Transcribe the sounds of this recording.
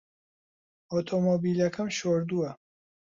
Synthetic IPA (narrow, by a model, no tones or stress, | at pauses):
ot̪ʰomobiːlɐkʰɐmʃoːɾd̪uɐ